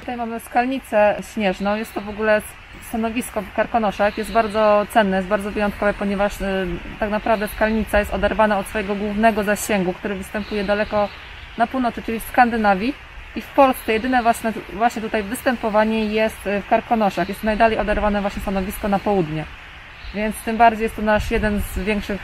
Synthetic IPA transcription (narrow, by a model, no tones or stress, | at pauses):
t̪ut̪ajmamɘskalɲit̪sɛɕɲɛʐnɔ̃w̃jɛst̪t̪ːɔvɔɡulɛ | st̪anɔvʲiskɔfkaɾkɔnɔʂaxjɛst̪̚baɾd̪zɔt̪sɛnːɛjɛsbaɾd̪zɔvɘjɔnt̪̚kɔvɛpɔɲɛvaʂt̪aknapɾavd̪ɛfskalɲit̪sajɛst̪ɔd̪ɛɾvanaɔt̪sfɔjɛɡɔɡwuvnɛɡɔzaɕɛŋɡukt̪uɾɘvɘst̪ɛmpujɛd̪alɛkɔ | napuwnɔt̪sɘt͡ʂɘlʲifskand̪ɘnavʲji | ifpɔlst̪sɛjɛd̪ɘnɛvwaɕnɛvwaɕɲɛt̪ut̪ajvɘst̪ɛmpɔvaɲɛjɛst̪fkaɾkɔnɔʂaxjɛst̪najd̪alɛjɔd̪ɛɾvanɛvwaɕɲɛst̪anɔvʲiskɔnapɔwud̪ɲɛ | vʲjɛnt̪st̪ɘmbaɾd͡ʑejɛst̪ɔnaʂjɛd̪ɛnzvʲjɛŋkʂɘx